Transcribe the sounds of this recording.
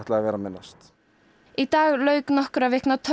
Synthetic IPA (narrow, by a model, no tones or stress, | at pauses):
t̪laavɛːɾamɪnːast̪ | it̪aːɣlœːɥknɔhkʏɾavɪhknat̪ʰ